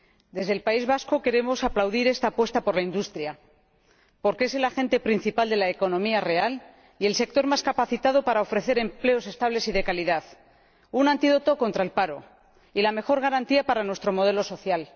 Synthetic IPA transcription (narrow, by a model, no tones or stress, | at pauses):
d̪e̞zðelpaizβasko̞ke̞ɾe̞mo̞saplawðiɾe̞st̪aːpwe̞st̪apo̞ɾlaind̪ust̪ɾja | po̞ɾkee̞se̞laxẽ̞nt̪e̞pɾin̟θipald̪e̞laeko̞nõ̞miare̞al | ie̞lse̞k̚t̪o̞ɾmaskapaθit̪aðo̞paɾao̞fɾe̞θe̞ɾe̞mple̞o̞se̞st̪aβ̞le̞siðe̞kaliðaθ | unãnt̪iðo̞t̪o̞ko̞nt̪ɾaelpaɾo̞̰ | ilame̞xo̞ɾɣ̞aɾant̪iapaɾanwe̞st̪ɾo̞mo̞ð̞e̞lo̞so̞θjal